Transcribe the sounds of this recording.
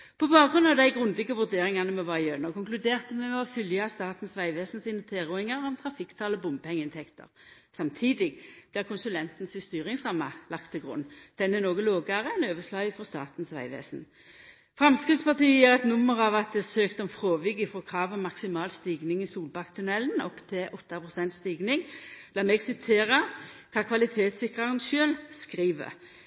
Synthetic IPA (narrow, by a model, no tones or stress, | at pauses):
pʰɔbɑːkɡʁʉnɑʋd̪æɪɡʁʉnd̪ɪɡəʋʉʁd̪eːʁɪŋɑnəmɛʋɑjøːnɔkʰʊŋklʉd̪eːʁt̪əmɛmɛɔfʏljəɑst̪ɑːt̪n̩sʋæɪʋeːsn̩siːnət̪ʰeːʁʊɪŋɑʁɔmt̪ʰʁɑfɪkt̪ʰɑːlɔbʊmbəpʰɛŋːəɪnt̪ʰɛkt̪ə̰ʁ | sɑmt̪ʰiːd̪ɪɡb̥̪læːʁkʰʊnsʉlɛnt̪nsɪst̪yːʁɪŋsʁɑmːɑlɑk̚t̪ʰːɪlɡʁʊ̰nd̪̥ɛnːɛnoːɡəloːɡɑʁəɛnøːʋəʂlɑːəfɔst̪ɑ̰ːt̪n̩sʋæ̰ɪʋḛːsn̩ | fʁɑmskʁɪd̪spɑʁt̪iːəjiːʁɛt̪nʊmːəʁɑʋɑt̪̚d̪ɛsøːkt̪əɛnfʁoːʋɪɡɪfʁoːkʰʁɑːʋɔmɑksɪmɑːlst̪iːɡnɪŋɪsuːlbɑkt̪ʰʉnɛlnɔpːt̪ʰɪlʔɔt̪ːɑpʰʁʊsɛnt̪st̪iːɡnɪŋlɑːmɛːɡsɪt̪ʰeːʁɑkʰɑːkʰʋɑlɪt̪ʰeːt̪sɪkʁɑʁənʃøːlskʁiːʋə̰